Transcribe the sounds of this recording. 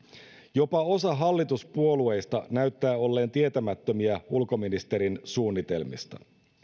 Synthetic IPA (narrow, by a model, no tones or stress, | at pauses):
jo̞pɑo̞sɑɦɑlːit̪uspuo̞lue̞jst̪ɑnæyt̪ːæːo̞lːe̞ːnt̪iet̪æmæt̪ːø̞miæulko̞minist̪e̞ɾinsuːnːit̪e̞lmḭst̪ɑ̰